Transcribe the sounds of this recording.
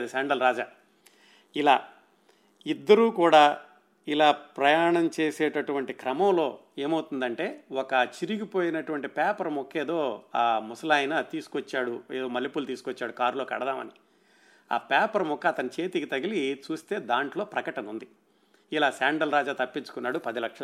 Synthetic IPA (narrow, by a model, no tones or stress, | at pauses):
d̪isaːɳɖɐlɾaːd͡ʒaː | ilaː | id̪ːɐɾuːkuːɽaː | ilaːpɾɐjaːɳɐmt͡ʃe̞ːsɛːʈɐʈuʋɐɳʈikɾɐmɐmlo̞ː | eːmɐwut̪und̪ɐɳʈe̞ːwɔkɐt͡ʃiɾiɡipo̞ːjinɐʈuʋɐɳʈipaːpɐɾɐmɔkːeːd̪o̞ːaːmusɐlaːjnɐt̪iːsu̥kʋɐt͡ʃːaːɽueːd̪o̞ːmɐlːipult̪iːsukʋɔt͡ʃːaːɽukaːɾlo̞ːkɐ̰ɽɐd̪aːmɐni | a̰ːpaːpɐɾɐmɔkːɐːt̪ɐnit͡ʃe̞ːt̪ikit̪ɐɡilit͡ʃuːst̪e̞ːd̪aːɳʈlo̞ːpɾɐkɐʈɐnund̪i | ilaːsaːɳɖɐlɾaːd͡ʒaːt̪ɐpːint͡ʃu̥kunːaːɽupɐd̪ilɐkʂɐ